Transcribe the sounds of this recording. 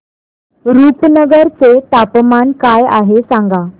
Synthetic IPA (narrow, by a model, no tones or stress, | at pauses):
ɾuːpnəɡəɾt͡set̪apmankaja̰ɦesãŋɡa